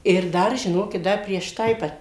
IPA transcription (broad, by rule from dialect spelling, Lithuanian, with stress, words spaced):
ɪr ˈdɐr ʒʲɪˈnoːkʲɪt ˈdɐr pʲrʲiɛʃ ˈtɐɪ ˈʋɐ